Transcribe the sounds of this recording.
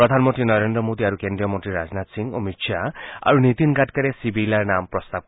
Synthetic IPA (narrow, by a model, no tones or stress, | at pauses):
ɔd̪ʱanmʌ̃nt̪ɾinʌɾend̪ɾʌmod̪iaɾukend̪ɾijʌmʌnt̪riɾad͡znat̪siŋɔ̰misʰjaa̰ɾunit̪inɡaʈkaɾesibʱilanampɾɔst̪ab̚